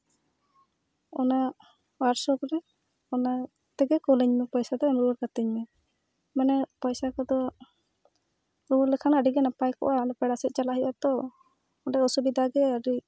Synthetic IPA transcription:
ɔna | waɾsɔkɾɛ | ɔna | t̪ɛɡɛkɔlɛɲmɛpɔjsad̪ɔɛmɾuɔɾkat̪iɲmɛ | manɛpɔjsakɔd̪ɔ | ɾuɔɾlɛkʰanaɖiɡɛnapajkɔ̰ʔalɔpɛɽasɛt̪̚t͡ʃalaɦiʔat̪ɔ | ɔɖɛɔsubid̪ʱaɡɛəɖi

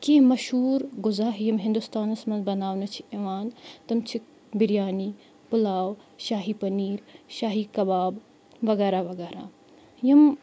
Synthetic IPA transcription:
kemɐʃhuːɾɡʊzaːɦjɐmɦind̪ust̪aːnɐsmɐnzbɐnaːʋnɐt͡ʃʰieʋaːnt̪ɐmt͡ʃʰik̚ | biɾijaːniː | pulaːwʃaːɦipɐniːɾʃaːɦiːkɐbaːb | ʋɐɣɛːɾaʋɐɡɛːɾa̰ː | jɐm

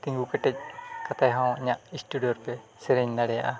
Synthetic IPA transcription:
t̪iŋɡukəʈːɛc̚kat̪ajɦawɲaʔisʈuɖijoɾpɛ | sɛɾɛɲnaɽɛja̰ʔa

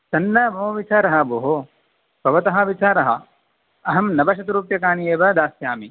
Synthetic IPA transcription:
sɐnːɐmoːʋit͡ʃaːɾɐɦɐ̆boːɦo | pɐʋɐt̪ɐɦɐ̆ʋit͡ʃaːɾɐɦɐ̰ | ɐɦɐmnɐbɐʃɐt̪ɾuːpjɐkaːnieːʋɐd̪aːsjaːmi

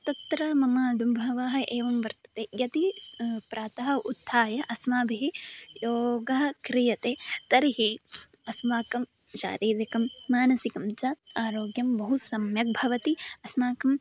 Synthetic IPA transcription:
t̪ɐt̪ɾɐmɐmaːd̪umbʱɐʋaːɦɐ̆ʔeːʋɐmʋɐɾt̪ɐ̥t̪ejɐt̪ipɾaːt̪ɐɦɐ̆ʔut̪ʰːaːjɐʔɐsmaːbʱiɦijoːɡɐɦɐkɾijɐt̪eːt̪ɐɾiɦi | ɐsmaːkɐm | ʃa̰ːɾiːd̪ɐkɐmːaːnɐsikɐmt͡ʃɐaːɾoːɡjɐmbɐɦusɐmjɐk̚bʱɐʋɐt̪iɐsmaːkɐm

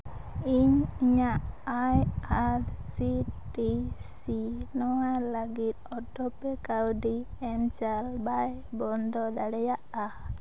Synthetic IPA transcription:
iɲiɲaʔajaɾsiʈisinɔwalaɡit̪̚ɔʈɔpɛkawɖiɛnt͡ʃalbaj | bɔnd̪ɔd̪aɽɛjaʔa

